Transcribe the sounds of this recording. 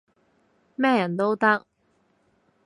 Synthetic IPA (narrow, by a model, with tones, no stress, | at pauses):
mɛː˥˨jɐ˨˩nt̪o˥wt̪ɐ˥k̚